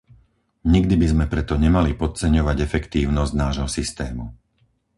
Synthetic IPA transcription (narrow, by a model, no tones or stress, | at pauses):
ɲiɡd̪ibizmɛpɾɛt̪ɔɲɛmalipɔt̪̚t͡sɛɲɔʋaɟɛfɛkt̪iːʊnɔzɟnaːʒɦɔsist̪ɛːmu